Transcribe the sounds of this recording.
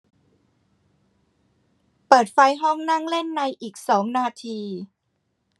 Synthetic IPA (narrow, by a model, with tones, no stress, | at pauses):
pɤː˨˩t̪̚fa˧jɦɔ˥˩ŋna˥˩ŋle˥˩nːa˧jʔiː˨˩k̚sɔː˩˦ŋnaː˧t̪ʰiː˧